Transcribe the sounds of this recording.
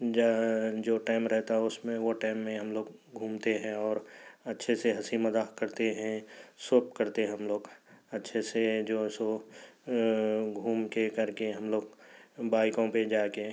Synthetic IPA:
d͡ʒad͡ʒoːʈaːɪmɾɛɦt̪aɦɛʊsmẽʋoʈaːɪmːẽɦɐmloːɡɡʱuːmt̪eɦɛ̃ɔːɾɐtːʃʰeseɦɐsimɐzaːkɐɾt̪eɦɛ̃sʊp̚kɐɾt̪eɦɐmloːɡɐtːʃʰesed͡ʒoːɪso | ɡʱuːmkekɐɾkeɦɐmloːɡbaːɪkõped͡ʒaːke

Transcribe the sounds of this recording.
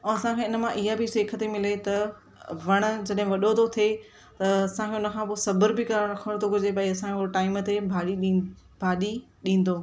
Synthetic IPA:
ɛ̃ɐsãkʰẽːɪnə̆mãʔɪɦabɪseːkʰət̪emɪlet̪ɐ | ʋɐɽ̃ʊ̆d͡ʑɐɗɦɪ̃ʋɐɗot̪ʰot̪ʰie | t̪ɐɐsãkʰeʊnə̆kʰãːpoːsɐbəɾbɪkaɾɐkʰəɽ̃t̪ʰoɡʱʊd͡ʑebaːiɐsãkʰeoʈaːɪmt̪ebʱaːɗi | bʱaːɗi | ɗĩːn̆d̪oː

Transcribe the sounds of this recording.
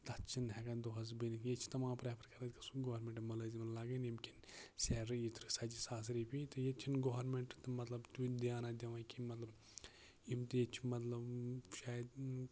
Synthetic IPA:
t̪ɐt͡ʃʰinɦɛɡɐnd̪oɦɐz̬binikjet͡ʃʰi̥t̪ɐmãːpɾeːpʰɐɾkɐɾɐt̪ʲkɐsuɡoːɾmẽɳʈmɐlɐzimɐnlaːɡɐnimkinsɛːɾɨjit̪ɾɨsɐd͡ʒisaːs̬ɾipʰit̪ɨjet͡ʃʰinɡoːɾmeɳʈt̪ɨmɐt̪lɐbt̪ud̪ijaːnad̪ʲɐʋãːkimɐt̪lɐb | imt̪ɨjet͡ʃʰimɐt̪lɐbʃaːjd̪

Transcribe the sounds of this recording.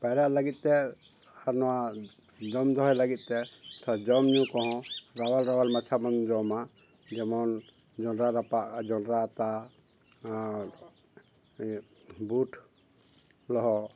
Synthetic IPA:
paɾaʔlaɡit̪̚ˀt̪ɛ | anɔwa | d͡ʒɔmd̪ʱɔɦɔjlaɡit̪̚ˀt̪ɛtʰad͡ʒɔmɲũkɔɦɔ̃ɾawalɾawalmat͡ʃʰamand͡ʒɔma | d͡ʒɛmɔn | d͡ʒɔnɾaɾapaʔad͡ʒɔnɾat̪a | buʈʰ | lɔɦɔ

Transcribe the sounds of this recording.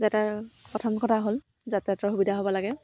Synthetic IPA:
zataɹpɔtʰɔmkʰɔtʰaɦol | zatɛatɔɹɦubidʱaɦobɔlaɡɛ

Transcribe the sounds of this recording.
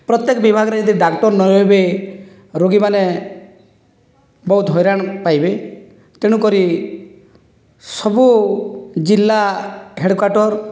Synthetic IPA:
pɾɔt̪jekɔbibʱaɡɔɾed͡ʒɔd̪iɖakʈɔɾnɔjobe | ɾoɡimane | bɔɦut̪ɦɔjɾaɽ̃pajbe | t̪eɽ̃ukɔɾi | sɔbu | d͡ʒilːaɦeɽkwaɾʈɔɾ

